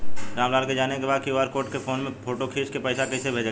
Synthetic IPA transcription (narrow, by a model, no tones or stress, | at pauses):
ɾaːmlaːd̪ked͡ʒaːnekebaːd̪kiuaːd̪̚koːɾʈkefʰoːnmẽpʰoːʈokʰeːskepɛɪsakɛsebʱeːd͡ʒ